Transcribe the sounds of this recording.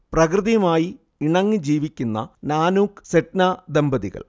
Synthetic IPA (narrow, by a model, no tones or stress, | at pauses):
prɐkrɨðijɐmaːji | iɳɐŋːɨd͡ʑiːʋikʲːunːɐ̰naːnuːkseʈnad̪embɐðiɣɐ̰ɭ